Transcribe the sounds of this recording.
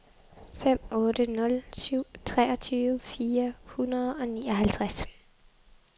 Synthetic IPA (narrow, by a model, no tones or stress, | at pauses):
fem̰ɔ̽ːdənɔ̽lsyʊ̰t͡sʰʁɛːɒ̽t͡sʰyːʋəfiːɐhunɐð̞̩ˠɒ̽niːɒ̽ɦælt͡sʰʁas